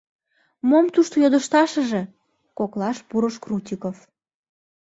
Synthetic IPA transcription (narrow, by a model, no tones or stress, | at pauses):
momt̪uʃt̪ojod̪ə̆ʃt̪ɑʃə̆ʒe̽ | koklɑʃpuɾəʃkrutʲikof